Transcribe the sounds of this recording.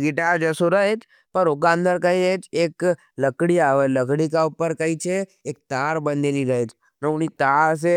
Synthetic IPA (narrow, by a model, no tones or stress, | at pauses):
ɡɪʈaɾd͡ʒəsoɾəɦet͡ʃ | pəɾokãnd̪əɾkəiet͡ʃeːk | ləkɽiaːʋələkɽikaupəɾkəit͡ʃʰeː | k̚t̪aːɾbə̃nd̪eniɾəɦet͡ʃ | nəʊnit̪aːɾs̬e